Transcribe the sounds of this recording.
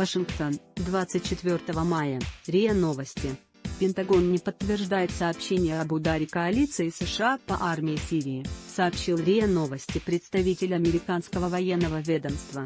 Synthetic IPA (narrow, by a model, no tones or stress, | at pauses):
vɐʂɨnkt̪o̞nd̪vat̪sɨt̚ʲt͡ɕːɪt̪vʲo̞rt̪əvəmajəɾʲeəno̞vəsʲtʲɪ | pʲɪnt̪ɐɡo̞nnʲɪpət̪ːvʲɪrʐd̪ajɪt̪sɐːpɕːenʲɪjəɐbʊd̪aɾʲɪkɐɐlʲit̪sɨɪsəʂɨapɐ̰ʔarmʲɪɪsʲiɾʲɪːsɐːpɕilˠɾʲeəno̞vəsʲtʲɪpɾʲɪt̪st̪ɐvʲitʲɪlʲɐmʲɪɾʲɪkanskəvəvɐjenːəvəvʲed̪əmst̪və